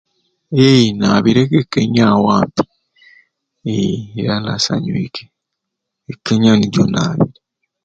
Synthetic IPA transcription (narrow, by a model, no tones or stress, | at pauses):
ejinaːβiɾekekːeɲawaːmpi̥ | eːɾanasa̰ɲwekʰe | ekːeɲaniɟo̰na̰ːβiɾe